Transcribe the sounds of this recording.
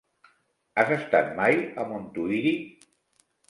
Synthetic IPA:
azəst̪at̪̚majəmont̪uiɾi

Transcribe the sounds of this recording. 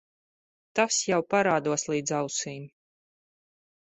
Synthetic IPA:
t̪asjawpaɾaːd̪uɔslˠiːd̪zawsiːn

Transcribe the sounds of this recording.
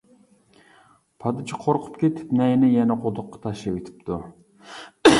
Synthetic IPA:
pʰɑd̪ɨt͡ʃʰiqʰoɾqʰʊ̥pkʲʰet̪ʰɪ̥pnɛjnɪjɛnɛqʰod̪ʊqːɑ̥t̪ʰɑʃlɑwet̪ʰɪ̥p̚t̪ʰu

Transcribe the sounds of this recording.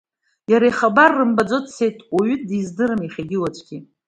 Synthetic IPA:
jaɾajχabarːɨmbad͡zo̞tʼsejtʼwaɥʏt̚dizdɨɾɨmiχʲaɡʲɪwat͡ʃʷʰʼɡʲi

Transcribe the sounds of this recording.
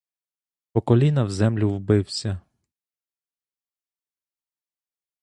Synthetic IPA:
pɔkɔlʲinɐwzɛmlʲʊwbɪwsʲɐ

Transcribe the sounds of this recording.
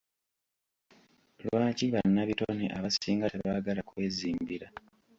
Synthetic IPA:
lwwaːciβanːaβitoneʔaβasiːŋɡateβaɡalakwe̞ːziːmbiɾa

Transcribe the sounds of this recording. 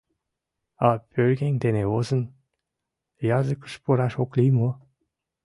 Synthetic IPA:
ɑpʰølɡʲeŋʲd̪eneozə̆n | jɑzəkə̥̆ʃpoɾɑʃoklimo

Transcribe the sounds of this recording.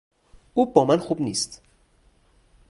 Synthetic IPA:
uːbɒːmænxubniːst̪

